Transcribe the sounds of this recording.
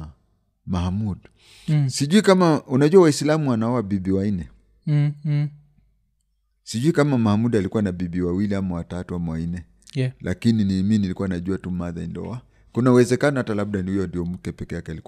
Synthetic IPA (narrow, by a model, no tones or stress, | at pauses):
mahamud | siʄuikamaunaʄuawaislamuanaɔwabiɓiwainɛ | siʄuikamamahamuɗalikuwanaɓiɓiwawiliamawatatuamawainɛ | lʔakininiːminilikuwanaʄuatumaða̰ḭndɔ̰a | kunauwɛzɛkanahatalaɓ̚ɗanihujɔndijɔmm̩kɛpɛkɛjakɛalik